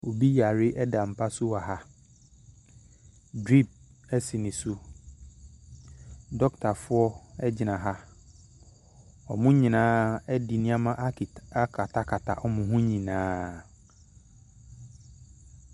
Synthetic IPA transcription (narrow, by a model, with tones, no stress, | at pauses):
o˨bi˦ja˨ɾɪ˦ʔɛ˦da˨m̩˨pʰa˦sʊ˦a˨ɦa˦ | dɾi˦˨p̚ | ɛ˦si˨nɪ̃˨sʊ˦ | dɔ˦ktʰa˨fʊ˦ɔ˦ɛ˦d͡ʑɪ˨nã˨ɦa˦ | ɔ̰˨mʊ̃˦ɲĩ˨nãː˦ɛ˦dɪ˨nĩ˦a˦mã˦ʔa˦ka˦kʰa˨tʰa˨kʰa˨tʰa̰˨ʔɔ˦mʊ̃˨ɦʊ̃˦ɲĩ˨nãː˦